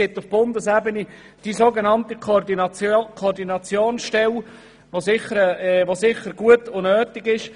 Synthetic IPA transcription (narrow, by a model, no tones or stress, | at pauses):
ɪtʊfb̥ʊndəsɛbəni | d̥izoɡenɑntəkdikʰɔːɾdinɑt͡sjoːnsʃtɛl | vosɪχəɾɛʋosɪχəɾɡuətʊnøːtɪɡɪʃ